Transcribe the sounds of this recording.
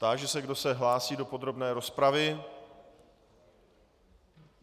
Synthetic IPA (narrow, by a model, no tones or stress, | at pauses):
t̪aʒɛsɛɡdo̞sɛɦlaːsiːdo̞po̞d̪ɾo̞bnɛːɾo̞spɾavɪ